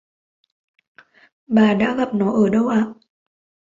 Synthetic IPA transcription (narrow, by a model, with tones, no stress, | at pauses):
ɓaː˨˩ɗa̰ː˧˥ɣa˨˩p̚nɔ˨˦ʔəː˧˩ɗə˧wʔaː˧˨ʔ